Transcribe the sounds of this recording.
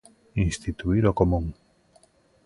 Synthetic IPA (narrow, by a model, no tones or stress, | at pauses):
inst̪it̪uiɾokomũŋ